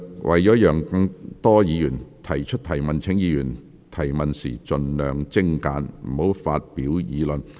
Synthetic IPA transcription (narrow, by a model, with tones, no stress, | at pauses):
wʔɐ̰˨jɔː˨˥jœː˨˩ŋkɐ˧ŋt̪ɔː˥jiː˨˧jyː˨˩nt̪ʰɐ˨˩jt͡ʃʰɵ˥t̚t̪ʰɐ˨˩jmɐ˨˩nt͡sʰɪ˨˥ŋjiː˨˧jyː˨˩n | t̪ʰɐ˨˩jmɐ˨nsḭː˨˩t͡ʃɵ˧nlœː˨ŋt͡sɪ˥ŋkaː˨˧nm̩˨˩ho˨˥wfaː˧t̚pi˨˥wjiː˨˧lə˨n